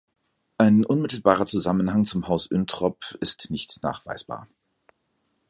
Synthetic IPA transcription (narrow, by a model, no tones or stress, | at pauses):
ʔaɪnʔʊnmɪtl̩baːʁɐt͡suzamənɦaŋt͡sʊmhaʊsʔʏntʁ̥ɔpɪstnɪçtna̰ːχv̥a̰ɪsb̥a̰ːɐ